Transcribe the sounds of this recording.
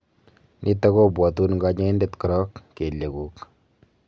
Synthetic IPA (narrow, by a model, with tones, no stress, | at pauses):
nʔi˦ta˦ko˦bwɔ˨tu˦nŋɡa˦ɲa˦e˦nde˦tkʊ˨ɾɔ˦kːe˨lːe˨ku˨k